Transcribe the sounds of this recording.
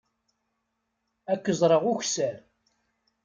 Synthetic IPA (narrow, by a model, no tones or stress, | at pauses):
ækːəzˤɾˤəʁʊçsæɾ